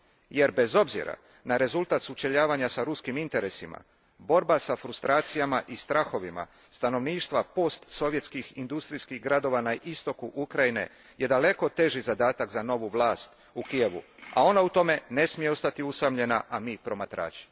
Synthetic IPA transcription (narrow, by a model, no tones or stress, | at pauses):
je̞ɾbe̞zo̞bzḭɾa̰ | naɾe̞zulˠt̪at̪sut͡ʃe̞ʎaːʋaɲasaɾuskimint̪e̞ɾesima̰ | bo̞ɾbasafɾust̪ɾaːt̪sijamaʔist̪ɾaxo̞ʋima̰ | st̪ano̞ʋniːʃt̪ʋapo̞st̪so̞ʋje̞t̪skixind̪ust̪ɾiskiɡɾad̪o̞ʋanaʔist̪o̞kuʔukɾajine̞̰ | je̞d̪ale̞ko̞t̪e̞ʒizad̪aːt̪akzano̞ʋuʋlˠaːst̪ | ukije̞ʋṵa̰o̞naut̪o̞me̞ne̞smijeo̞st̪at̪iusamʎe̞naʔamipɾo̞mat̪ɾa̰ːt͡ʃi̥